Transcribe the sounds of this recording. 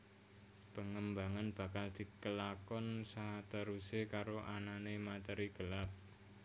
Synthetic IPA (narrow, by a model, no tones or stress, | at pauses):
pəŋəmbaŋanb̥a̤kald̪̥i̤kəlakɔnsaɦat̪əɾusekaɾoʔananemat̪ɛɾiɡ̥ə̤lap̚